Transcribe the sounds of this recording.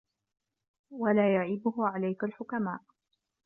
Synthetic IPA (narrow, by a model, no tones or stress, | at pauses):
walaːjaʕɪbʊhʊʕalajkalħʊkamaːʔ